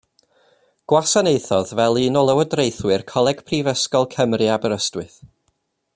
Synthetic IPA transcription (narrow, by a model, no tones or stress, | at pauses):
ɡ̥wasanejθɔðvɛlˠiːnɔlˠəwədrejθwɨrkʰɔlˠɛɡ̥pʰrivəskɔlˠkʰəmrɨabəɾəstwɨθ